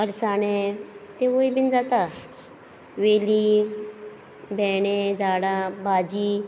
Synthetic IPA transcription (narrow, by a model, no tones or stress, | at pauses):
əɾsaɽ̃et̪eʋojbind͡zat̪a | ʋeli | bʱɛɽ̃ed͡zaɽabad͡ʑiː